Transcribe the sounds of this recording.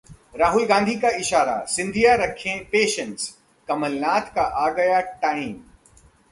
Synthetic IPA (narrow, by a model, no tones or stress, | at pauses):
ɾaːɦʊlɡãːnd̪ʱikaɪʃaːɾa̰sɪ̃nd̪ʱijaɾɐkʰːẽpeːʃə̃ns | kɐməlnaːt̪kaʔaːɡɐjaʈaːĩːm